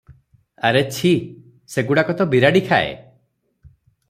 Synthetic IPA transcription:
aɾet͡ʃʰi | seɡuɽakɔt̪ɔbiɾaɽikʰaḛ

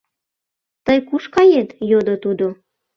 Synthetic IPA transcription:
t̪əjkuʃkɑjet̪jod̪ot̪ud̪o

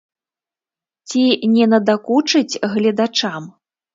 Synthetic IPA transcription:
t͡sʲinʲɛnɐd̪akut͡ʂɨt͡sʲɣlʲɛd̪at͡ʂam

